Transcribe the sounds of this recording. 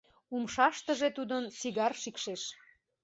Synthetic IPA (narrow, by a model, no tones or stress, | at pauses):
umʃɑʃt̪əʒet̪ud̪ənt͡siɣɑrʃikʃeʃ